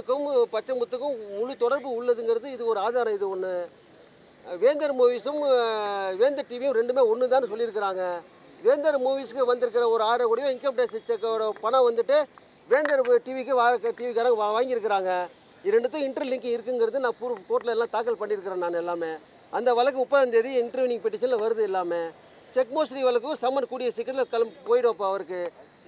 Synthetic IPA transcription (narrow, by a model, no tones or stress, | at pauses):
ɯkːɯmpɐt͡ʃːɐmbɯt̪ːɯkːɯ̃mʊɻut̪ɔɽɐɾbɯʊɭːɐðɯŋɡɐɾɐðɯɪðɯkːɯɔɾɯaːðaːɾɐ̃ɪðɯɔnːɯ | ʋeːnd̪ɐɾmuːʋisɯm | ʋeːnd̪ɐʈiːʋijʊ̃mɾɛɳɖɯmeːɔnːɯt̪̬aːnːɯsɔlːɪɾɯk̬ːɪɾaːŋɡɐ | ʋeːnd̪ɐɾmuːʋiskɯʋɐnd̪ɪɾɯk̬ːɪɾɐɔɾɯaːɾɐkɔɽɪjɐ̃ɪŋkɐmpʈɐeːsɪt͡ʃːɐkːɐɽɐpɐɳɐ̃ʋɐnd̪ɯʈːɯ | ʋeːnd̪ɐɾʈiːʋikːɯʋaːkɐʈiːʋikɐːɾɐ̃ʋaːŋɡɪɾɯk̬ːɪɾaːŋɡɐ | ɪɾɛɳɖɯt̪ːõɪɳʈɾɯlɪŋkɪ̃ŋɪɾɯkːɯŋɡɐɾɐðɯnãːpupoːʈlɐɛlːãːt̪aːk̬ɐlpɐɳːɪɾɯkːɯɾɐ̃ːnaːnɛlːaːmeː | ɐnd̪ɐʋɐlɐkːɯmʊpːɐðɐnd̪eðiɪɳʈɾʋɪnɪŋpɛʈːɪʃɐnlʋɐɾɯðɯɪlːaːme | t͡ʃɛkːmoːsɾiʋɐlɐk̬ːɯʊ̃sɐmːɐnɖkuːɽɪjɐsɪkːɐt̪ɪlkɐlmpoːjɪɽʊ̃ɐpːoɐʋɐɾɯkːɯ